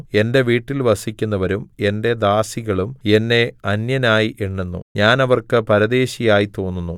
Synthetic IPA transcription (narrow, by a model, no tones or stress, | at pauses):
e̞nde̞ʋiːʈːilʋɐsikʲːunːɐʋɐɾumende̞d̪aːsiɣɐɭume̞nːe̞ɐnjɐnaːjiʔeɳːenːṵɲaːnɐʋɐrkɨpɐɾɐd̪e̞ːɕijaːjit̪o̞ːnːunːu